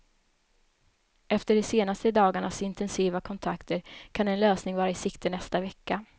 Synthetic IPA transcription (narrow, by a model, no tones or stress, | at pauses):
ʔɛft̪əɖɛseːnast̪əd̪ɑːɡaɳasɪnt̪ʰɛnsiːvakʰɔnt̪ʰakt̪əɾkʰanɛnløːsnɪŋvɑːɾaɪsɪkt̪əɳɛst̪avɛkːa